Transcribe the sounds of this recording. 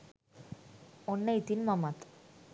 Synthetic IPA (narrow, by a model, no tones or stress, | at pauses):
onːajt̪inmamat̪